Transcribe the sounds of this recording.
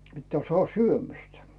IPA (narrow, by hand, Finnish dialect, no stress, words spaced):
pitːæː sŏɑˑh syømistæ